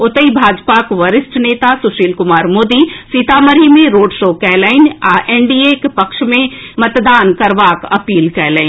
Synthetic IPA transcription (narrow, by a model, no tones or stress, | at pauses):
ʊt̪əibʱaːd͡ʒpakʋɐɾɪsʈneːt̪asʊʃiːlkʊmaːɾmoːd̪isiːt̪aːməɾimẽɾoːɖʃoːkɛːləɪnaʔeːɳɖiːekpɐkʃmẽmɐt̪d̪aːnkɐɾʋaːkɐpiːlkɛːleɪ